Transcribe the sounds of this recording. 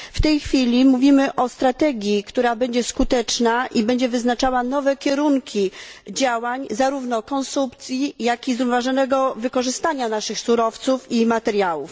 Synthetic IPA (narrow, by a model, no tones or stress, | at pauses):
ft̪ɛjxfʲilʲimuvʲimɘʔɔst̪ɾat̪ɛɡʲjikt̪uɾabɛɲd͡ʑɛskut̪ɛt͡ʂnaʔibɛɲd͡ʑɛvɘznat͡ʂawanɔvɛkʲɛɾuŋkʲid͡ʑawaɲzaɾuvnɔkɔnsumpt̪sʲjijakʲizɾuvnvaʐɔnɛɡɔvɘkɔʐɘst̪aɲanaʂɘxsuɾɔft̪sufimat̪ɛɾjawṵf